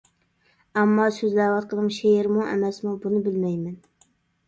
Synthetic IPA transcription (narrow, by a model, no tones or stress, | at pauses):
æmːɑsøzlæːwɑt̪̚qʰəlˠɨmʃeɪɾmʊŋæ̰mɛsmubunɪbɪlmɛjmɛn